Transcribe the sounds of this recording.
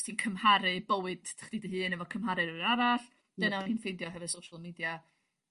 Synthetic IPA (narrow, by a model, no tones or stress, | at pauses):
tʰinkʰəmhaɾɨbəwɨd̥tʰḁχdidiɦɨːnəvɔkʰəmɦaɾɨɾɨnaɾaɬ | d̥ənainfejdjɔɦɛvɨ̥sowʃalˠmiːdja